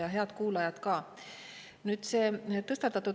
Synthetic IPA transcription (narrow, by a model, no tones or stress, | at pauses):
jɑɦe̞ɑt̪kuːlɑjɑt̪kɑː | nyːt̪seːt̪ɤst̪ɑt̪ːˑɑt̪ːu